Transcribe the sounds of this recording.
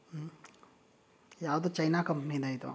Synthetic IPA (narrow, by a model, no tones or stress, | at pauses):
jaːʋd̪ut͡ʃɐjnaːkɐmpnid̪aːjit̪ṵ